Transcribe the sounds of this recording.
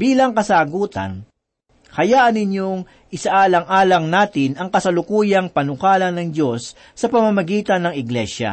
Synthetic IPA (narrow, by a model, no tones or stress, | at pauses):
biːlɐŋkɐsaːɡuːt̪ɐ̰n | kɐjaːʔɐnɪɲjoŋ | ʔɪsɐʔaːlɐŋʔaːlɐŋnaːt̪ɪnɐŋkɐsɐlʊkuːjɐŋpɐnʊkaːlɐnɐŋdo̞sː | ɐpɐmɐmɐɡiːt̪ɐnːɐŋɪɡlɛʃɐ̰